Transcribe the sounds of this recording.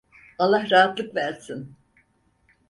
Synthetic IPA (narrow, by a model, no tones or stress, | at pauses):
alˠːahɾaɦat̪lˠɯkvæɾsin